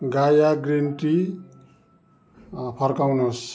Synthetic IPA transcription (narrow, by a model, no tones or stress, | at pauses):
ɡajaɡrinʈi | pʰʌrkawnos